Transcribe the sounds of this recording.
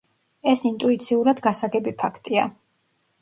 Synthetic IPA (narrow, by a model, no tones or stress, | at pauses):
ɛsint̪ʼuit̪sʰiuɾad̪ɡasaɡɛbipʰakʰt̪ʼia